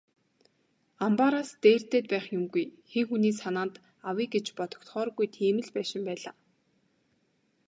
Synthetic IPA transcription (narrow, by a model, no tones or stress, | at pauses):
ampaɾaːst̪eːr̥t̪eːt̪̚pæːχjʊmɡujxeŋxuniːsanaːnt̪ | awiːɡet͡ɕpɔt̪ɞ̥̆kt̪χɔːrɣujt̪ʰiːmɘ̆ɮpæːʃɪ̆mpæːɮaː